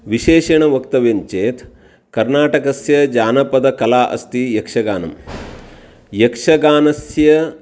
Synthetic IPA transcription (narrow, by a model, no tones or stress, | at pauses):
ʋiʃeːʃɐɳɐʋɐkt̪ɐʋeɲt͡ʃeːt̪ | kɐɾnaːʈɐkɐsjɐd͡ʒaːnɐpɐd̪ɐkɐlaːʔɐ̰st̪ijɐkʂɐɡaːnɐ̰m | jɐkʂɐɡaːnɐsjɐ